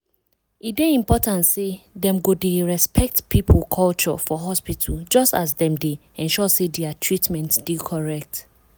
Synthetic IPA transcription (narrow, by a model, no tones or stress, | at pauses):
ideĩmpɔtãntsedɛ̃mɡodeɹɛspʰɛk̚tpʰipʰl̩kʰɔlt͡ʃɔ̰fɔɦɔspitʰəld͡ʒɔstas̬dɛ̃mde | ɛ̃nʃɔsedɛatʰɹitmɛ̃ntsd̥ikʰɔɹɛk̚t